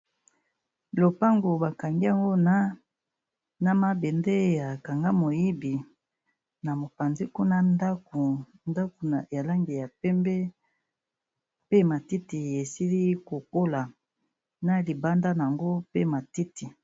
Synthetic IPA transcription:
lo˨pa˦ŋɡo˨ba˨ka˨ŋɡi˦a˨ŋɡo˦na˦ | na˦ma˦be˨nde˦ja˨ka˨ŋɡa˦mo˨ji˦bi˨ | na˨mo˨pa˨nzi˦ku˦na˦nda˦u˨ | nda˦ku˨n˨ja˨la˦ŋɡi˨ja˨pɛ˦mbɛ˦ | pe˦ma˨ti˦ti˨je˨si˦li˦ko˨ko˦la˨ | na˦li˨ba˦nda˦n˨a˨ŋɡo˦pe˦ma˨ti˦ti˨

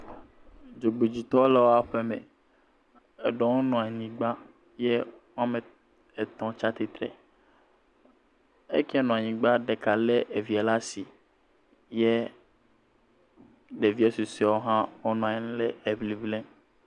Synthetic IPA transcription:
d͡ʒo˨ɡ͡be˨d͡ʑi˨t̪ɔ˦le˦wo˦a˦ɸe˦mḛ̃˨ | e˨ɖɔ˨˦wo˦nɔ̃˨a˨ɲĩ˦ɡ͡ba˦ | jɛ˦wo˦a˦me˨ | e˨t̪ɔ̃˦t͡ʃa˦t̪i˨t̪ɾḛ˨ | ḛ˦kɛ˦ɛ˦nɔ̃˨a˨ɲĩ˨ɡ͡ba˦ɖe˨ka˨le˦ʔe˨vi˨a˨la˦si˨ | je˦ | ɖe˨vi˦e˦su˨si˦a˨˦wo˦ɦã˦wo˦nɔ̃˨a˨ɲĩ˦ñ˦le˦e˨bli˨blẽ˦

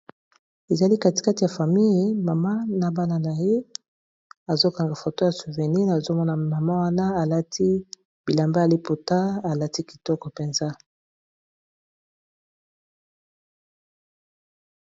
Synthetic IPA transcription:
e˨za˨li˦ka˦ti̥˨ka˦ti˨ja˨fa˨mi˦ji˨ma˨ma˦na˨ba˦na˨na˨je˦ | a˨zo˦ka˨ŋɡa˨fo˨to˦ja˨su˨ve˨ni˦na˨zo˦mɔ˦na˨ma˨ma˦wa˦na˦a˨la˦tʰi˦ | b̥i˨la˨mba˦ja˨li˦po˨ta˦a˨la˦ti˦ki̥˨tɔ˦kɔ˨pe˨nza˦

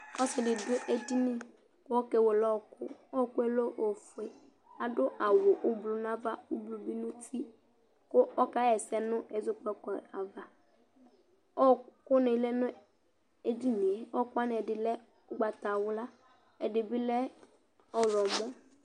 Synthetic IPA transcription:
ɔ˦sɪ˨dɪ˨dʊ˦ʔe˦di˦nɪ̃˦ | ko˦ɔ˦ke˨wo˨lɔ˦˨kʊ̰˦ɔ˦˨kʊ˦e˦lo˦ʔo˨fʊ˨e˨ | a˨dʊ˦ʔa˨wʊ˨ʔʊ˦blu˨n˦a˦va˦ʊ˦blu˨bi˦nʊ̃˦ti˦ | kʊ˦ɔ˦ka˦ɛ˨sɛ˦nʊ̃˦ɛ˨zʊ˦k͡pɛ˦kɔ˨a˨va˨ | ɔ˦˨kʊ˦ne˨lɛ˦nʊ̃˦ | e˦di˦nĩ˨e˨ɔ˦kʊ˦a˦n˨ɛ˨dɪ˨lɛ˦ | ʊ˦ɡ͡ba˨t̪a˨wʊ˦la˦ | ɛ˨dɪ˨bɪ˦lɛ˦ | ɔ˦˨lɔ˨mɔ̃˦

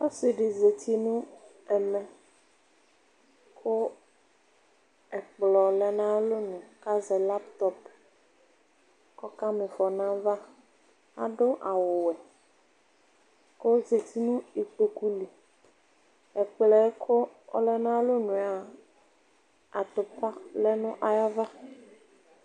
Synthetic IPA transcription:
o˦si˨ɖe˨ze˨t̪ʰi˦nũ˦ | ɛ˨mɛ̃˨ | kʰo˦ | ɛ˨k͡plɔ˨lɛ˦nã˦lo˦nũ˨ka˦zɛ˨la˦pt̪ɔ˦p | kɔ˦ka˦mẽ˨fɔ˨nã˦va˦ | a̰˨ɖo˦ʔa˨wo˨wɛ˨ | ko˦ze˨ti˦nũ˦i˨k͡po˨ku˦li˨ | ɛ˨k͡plɛ˨˦kʰo˦o˦lɛ˦nã˦lo˦nũ˨a˦ | a˨t̪o˨pa˦lɛ˦nũ˦ʔa˨ja˦va˦

